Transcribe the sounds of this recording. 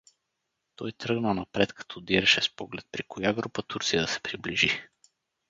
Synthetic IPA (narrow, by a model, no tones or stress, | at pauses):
t̪ɔjt̪ɾɤɡnənapɾɛt̪kʰḁt̪ʰɔd̪iɾɛʃɛspɔɡlɛt̪̚pɾikɔjaɡɾupət̪uɾt̪sijəsɛ̥pɾibliʒi